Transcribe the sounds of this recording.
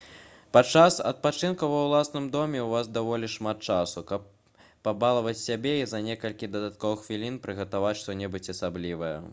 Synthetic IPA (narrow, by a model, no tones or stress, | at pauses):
pat͡ʂasɐ̰t̪̚pat͡ʂɨnkuvɐwlˠasnɨmd̪ɔmʲɛwvazd̪avɔlʲiʂmat̪̚t͡ʂasukɐpː | abalˠɐvɐt͡sʲsʲabʲɛizɐnʲɛkɐlʲkʲid̪ɐd̪at̪̚kɔvɨxfʲilʲinpɾɨɣɐt̪avat͡sʲʂt̪ɔnʲɛbɨt͡sʲɐsablʲivɐjɛ̰